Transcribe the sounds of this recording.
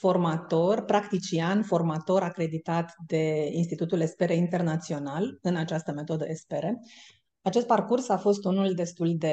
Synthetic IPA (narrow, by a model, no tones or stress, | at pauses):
fo̞rmat̪o̞rpɾakt̪it͡ʃianfo̞rmat̪o̞ɾakɾe̞d̪it̪at̪d̪e̞inst̪it̪ut̪ule̞spe̞ɾeint̪e̞rnat̪sio̞nalɨnat͡ʃast̪əme̞t̪o̞d̪əespeɾe | at͡ʃe̞st̪̚parkursafo̞st̪unuld̪e̞st̪uld̪e̞